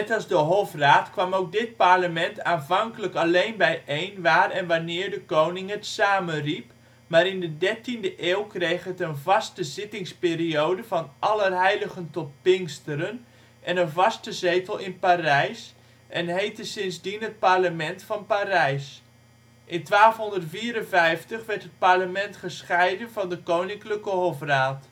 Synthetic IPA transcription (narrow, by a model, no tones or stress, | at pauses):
nɛtɑlˠzdəɦofraːtkʋɑmowk̚dɪt̚parləmɛntʰaːnvɑŋkələkalejnbɛjʔejnʋaːrɛnʋanɪːɹdəkownɪŋɦətsaːmənrip | maːɾɪndədɛɹtindəʔeːlˠkrejχɦətənvɑstəzɪtɪŋspɪːriowdəvɑnʔɑlərɦɛjləɣəntɔt̚pɪŋstəɾən | ʔɛnənvɑstəzejtəlˠɪnpaːrɛjs | ʔɛnɦejtəsɪnzdinɦət̚parləmɛntfɑnpaːɾɛjs | ʔɪntʋaːlˠfɦɔndərtfiːəɾənvɛjftəχʋɛɹtɦət̚parləmɛntχəsχɛjdənvɑndəkownɪŋkləkəɦɔfraːt